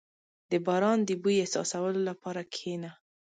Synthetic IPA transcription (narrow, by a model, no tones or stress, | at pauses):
d̪̥əbɑɾɑnd̪əbujesɑ̰sawəlolapɑɾakʰena